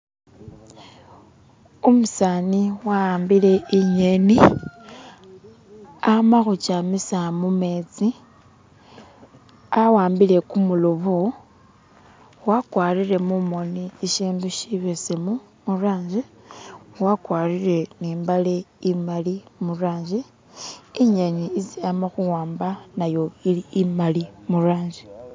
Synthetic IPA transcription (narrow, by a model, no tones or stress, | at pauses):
umusaːniwaaːmbile̞iɲeni | amaxut͡ʃamisamume̞ːt͡si | awaːmbile̞kumuloβu | wakwaːrile̞mumo̞niːʃiːnduʃiβesemu | muraːɲd͡ʒi | wakwaːrire̞niːmbaleimalimuraːɲd͡ʒiː | ɲaɲiːziamaxuwaːmbanajo̞iliːmalimuraːɲd͡ʒi